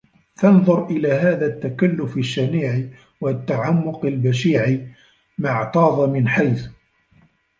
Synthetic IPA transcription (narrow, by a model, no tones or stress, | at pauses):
t̪ɑnðˤʊɾˤʔɪlaːɦaːðat̪ːakalːʊfaʃːamiːʕi | wat̪ːaʕamːʊqalbaʃiːʕi | maʕt̪ˤɑːðˤmɪnħajθ